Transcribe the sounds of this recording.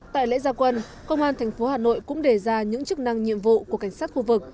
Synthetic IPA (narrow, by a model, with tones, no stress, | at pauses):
t̪a̰ː˧˨jlḛ˧˥zaː˧kwə˧n | kə˧wŋ͡mʔaː˧nt̪ʰɛ˨˩jŋ̟fo˨˦haː˨˩no̰˧˨jkʊ̰˧˥ŋ͡mɗe˨˩zaː˧ɲɨ̰˧˥ŋt͡ɕɨ˦˥k̚na˧ŋɲḭ˧˨əmvṵ˧˨ku˧˩əka˧˩jŋ̟saː˦˥t̚xu˧vɨ˨˩k̚